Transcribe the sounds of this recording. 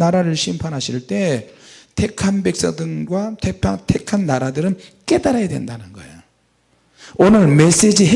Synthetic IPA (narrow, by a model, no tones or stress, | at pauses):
aɾaɾɯɭɕʰimpʰanɦaɕʰiɭt͈e̞tʰe̞kʰanbe̞k̚s͈ʌdɯnɡwatʰepʰatʰekʰanːaɾadɯɾɯnk͈e̞daɾajadwe̞̰ndanɯnɡʌ̰ejo | onɯɭme̞s͈e̞d͡ʑiɦe